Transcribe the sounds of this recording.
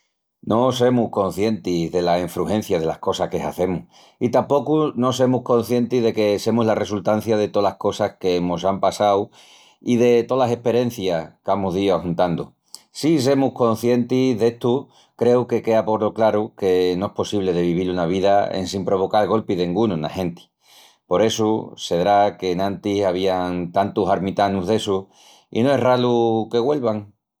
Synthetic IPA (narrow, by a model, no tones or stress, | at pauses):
nʔo̞s̬e̞muhko̞n̟θje̞nt̪iðe̞laiɱfɾuhẽ̞n̟θjað̞e̞la̰hko̞sahke̞ɦaθe̞muh | it̪ampo̞kuno̞s̬e̞muhko̞n̟θje̞nt̪iðe̞ke̞se̞muzlare̞sult̪an̟θjaðe̞t̪o̞lahko̞sahke̞mosampasaw | iðe̞t̪o̞lase̞hpe̞ɾe̞n̟θjakamuɦðiahunt̪and̪o | sis̬e̞muhko̞nθje̞nt̪iðe̞ht̪u | kɾe̞wke̞ke̞apo̞ɾoklaɾukenoe̞hpo̞siβle̞ðe̞βiβ̞ilunaβ̞iðaḛnsimpɾo̞β̞o̞kalɣo̞lpiðeiŋɡununa̰he̞nt̪i̥ | po̞ɾe̞suse̞ðɾake̞nãnt̪isaβ̞iaŋt̪ant̪usaɾmit̪anuɦðe̞su | ḭnoe̞ɦraluke̞ɣwe̞lβaŋ